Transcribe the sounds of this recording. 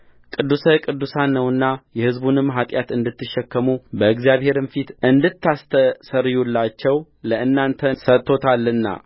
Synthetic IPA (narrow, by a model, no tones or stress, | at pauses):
kʼɨd̪ːusəkʼɨd̪ːusanːəwɨnːajɛhɨzbunɨmɦat̪ʼjat̪ɨnd̪ɨt̪ːɨʃːɛkːəmubəɨɡzijaβhe̞ɾɨmfit̪ɨnd̪ɨt̪ːast̪ʰəsəɾjulːat͡ʃːɛw | ləʔɨnːant̪ʰəsət̪ʰːo̞t̪ʰalːɨnːa̰